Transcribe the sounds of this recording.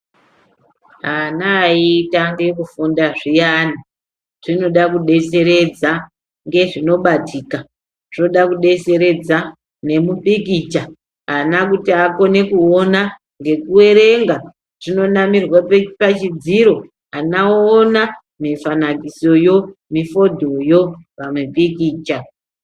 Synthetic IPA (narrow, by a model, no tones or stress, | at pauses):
ɦanaiːtaŋɡek̬ufundaʐijana | ʐ̥ino̞ɗakuɗe̞se̞ɾe̞d͡za | ŋɡe̞ʐino̞ɓatʰiːka | ʐ̥no̞ɗakuɗe̞se̞ɾe̞d͡za | ne̞muɓikit͡ʃa | anakutiako̞ne̞kuona | ŋɡe̞kuwe̞ɾe̞ŋɡa | ʐ̥ino̞namirwapat͡ʃid͡ziɾo̞ | anaona | mifanakiso̞jo̞mifo̞dʱo̞jopamwepikiːt͡ʃa